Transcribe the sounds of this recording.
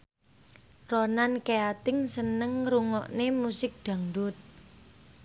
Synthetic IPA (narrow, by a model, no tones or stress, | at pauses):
ronankeat̪ɪŋsənəŋɾuŋɔʔnemusɪk̚d̪̥ä̤ŋdʊt̪̚